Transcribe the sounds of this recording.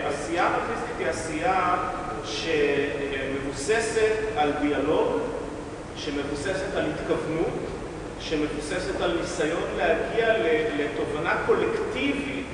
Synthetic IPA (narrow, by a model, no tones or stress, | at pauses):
ʔasiamafisitiasia | ʃeme̞vuse̞se̞taldialo̞ɡ | ʃe̞me̞vuse̞se̞talhit̪kavnut | ʃe̞me̞vuse̞setalnisajo̞nlehaɡialeleto̞vanako̞le̞ktivi